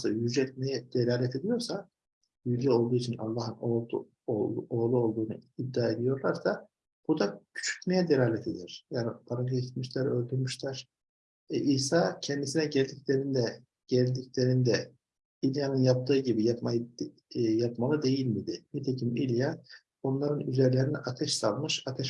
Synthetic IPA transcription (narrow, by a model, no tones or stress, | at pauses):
sajyd͡ʒɛt̪̚mejɛd̪̥elʲaːlʲɛt̪ʰe̞d̪ijo̞ɾsa | jylʲjɛo̞lˠd̪uːit͡ʃʰina̰lˠːaɦɯno | oːlˠuo̞lˠd̪uːnṵib̚d̪aːe̞d̪ijo̞ɾlˠaɾsa | b̥ud̪acʰy̥t͡ʃʰy̥cmejɛd̪elʲaːlʲɛt̪ʰe̞d̪iɾ̥jaːnipʰaɾaɡt̪miʃlʲæɾø̞lʲd̪yɾmyʃlʲæɾ̥ | ʔiːsaːcʰɛnd̪isinɛɟɛlʲd̪icʲlʲeɾind̪ɛ | ɟ̥ɛlʲd̪iclʲe̞ɾind̪ɛ | ilʲjanɯnjap̚t̪ʰɯːɟibijapma | japmalˠɯd̪e̞jilʲmid̪ɪnit̪ʰecʰimilʲja | onlˠaɾɯnyzɛɾlʲeɾiniʔat̪ʰɛʃsalˠmɯʃat̪ʰɛʃ